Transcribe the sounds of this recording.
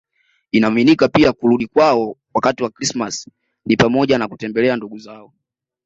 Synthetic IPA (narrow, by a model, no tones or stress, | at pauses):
inaaminikapiakuɾuɗikwaɔwakatiwakɾismas | nipamɔʄanakutɛmbɛlɛanduɡuzaɔ